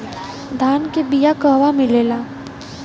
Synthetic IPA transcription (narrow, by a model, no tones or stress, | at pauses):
d̪ʱaːnkebijakəɦʋamɪleːlaː